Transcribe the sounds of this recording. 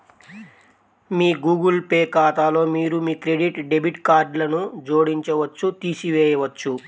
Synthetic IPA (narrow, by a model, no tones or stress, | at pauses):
miːɡuːɡɐlpeːkaːt̪aːlo̞ːmiːɾumiːkɾeɖiʈɖe̞biʈkaːɾɖlɐnud͡ʒo̞ːɽiɲt͡ʃɐʋɐt͡ʃːut̪iːsiʋɛːjɐʋɐt͡ʃːu